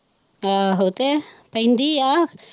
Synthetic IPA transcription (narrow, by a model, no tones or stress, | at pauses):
aːɦɐwt̪epɐjnd̪iaː